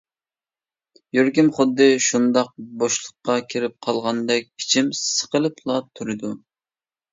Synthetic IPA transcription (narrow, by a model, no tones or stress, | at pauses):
jøɾɡʲɪmχʊd̪ːɨʃund̪ɑq̚boʃlˠəqːɑkʲʰɪɾɪp̚qʰɑlˠʁɑnd̪ɛk̚ʲpʰi̥t͡ʃʰimsə̥qəlˠɨplˠɑt̪ʰuɾɨd̪u